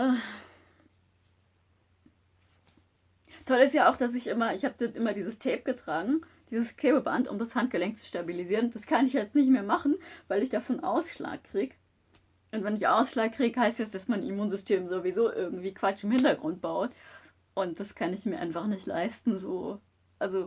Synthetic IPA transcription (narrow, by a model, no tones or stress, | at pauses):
ʔː | tʰɔlɪstjaːaʊxd̥as̬ɪçʔɪmɐɪçhaːb̚danʔɪmɐdiːzəstʰɛːp̚ɡ̥ətʁ̥aːɡŋ̩ | d̥iːzəskʰl̥eːbəba̰ntʊ̰mdashant̚ɡ̥əlɛŋk̚t͡su̥ʃtabiliziːʁənd̥askʰanɪçjɛt͡stnɪçtmeːɐmaχn̩vaɪlɪçd̥afɔnʔa̰ʊsʃla̰ːkːʁ̥iːɡə | ʔʊntv̥ɛnɪçʔaʊsʃlaːkʁ̥iːɡəhaɪstɛsd̥asmanḭmuːnzʏstʰeːmzovizoːʔɪɐɡŋ̩tv̥iːkv̥at͡ʃɪmhɪntɐɡʁʊnt̚b̥aʊt | ʔʊnt̚d̥askʰanɪçmiːɐʔa̰ɪnfaχnɪçtla̰ɪstn̩zoː | ʔalzo